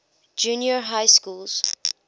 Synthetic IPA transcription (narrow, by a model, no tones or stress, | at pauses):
d͡ʒuːnjəɦaɪskuːlz̥